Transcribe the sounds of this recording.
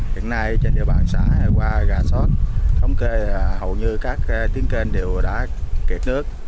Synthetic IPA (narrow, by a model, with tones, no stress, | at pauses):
hḭ˧˨ənːa˧jt͡ɕe˧nɗḭ˧˨əɓaː˨˩nsa̰ː˧˩˦a˨˩kwaː˧ɣaː˨˩sɔ˦˥t̚t̪ʰə˧wŋ͡mke˧˩hə˨˩wɲɨ˧kaː˦˥k̚t̪i˨˦əŋke˧nɗe˨˩wɗa̰ː˧˥ki˨˩t̚nɨ˦˥ək̚